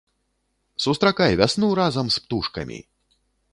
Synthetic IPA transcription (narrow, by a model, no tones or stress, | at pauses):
sust̪ɾakajvʲasnuɾazɐmspt̪uʂkɐ̰mʲḭ